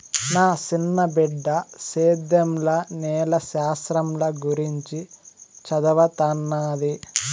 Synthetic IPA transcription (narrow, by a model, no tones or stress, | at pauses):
naːt͡ʃinːɐbɛɖːɐseːd̪jɐmlɐnɛːlɐʃaːsɾɐmlɐɡuɾiɲt͡ʃit͡ʃɐd̪ɐʋɐt̪ɐnːaːd̪i